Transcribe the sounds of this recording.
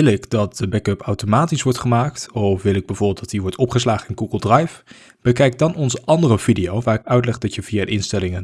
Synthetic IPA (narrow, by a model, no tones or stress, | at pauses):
ɪlɪkdɑt̚dəbɛkœpawtomaːtisʋɔɹtχəmaːktɔfʋɪlɪɡ̚bɛjvʊɹbɪːlˠd̥ɑtiʋɔɹtɔpχəslaːχəɪnɡuɡəlˠdrɑjf | b̥əkɛjk̚dɑnɔnzəʔɑndərəv̥idijowʋaːrɪkœɥtlɛχdɑtjəviadəɪnstɛlɪŋə